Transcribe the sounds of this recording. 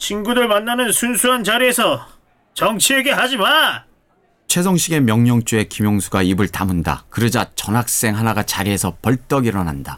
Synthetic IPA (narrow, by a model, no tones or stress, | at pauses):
t͡ɕinɡudɯɭmanːanɯnsʰunsʰuɦant͡ɕaɾie̞sʰʌ | t͡ɕʌŋt͡ɕʰie̞ɡe̞ɦad͡ʑiman | t͡ɕʰwe̞s̬ʰʌŋɕʰiɡe̞mjʌŋɲʌŋt͡ɕ͈ue̞kimjoŋsʰuɡaibɯɭtamɯnda̰kɯɾɯd͡ʑat͡ɕʌnɦak̚s͈e̞ŋɦanaɡat͡ɕaɾie̞sʰʌpʌɭt͈ʌɡiɾʌnanda